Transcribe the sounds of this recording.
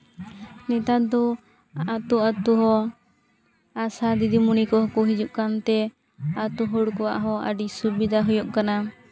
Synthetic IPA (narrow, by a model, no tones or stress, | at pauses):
nɛt̪ad̪ɔ | at̪uat̪uɦɔ | asad̪id̪imunikɔɦɔkɔɦid͡ʒuʔkant̪ɛ | at̪uɦɔɽkɔwa̰ʔɦɔa̰ɖisubid̪aɦujɔʔkana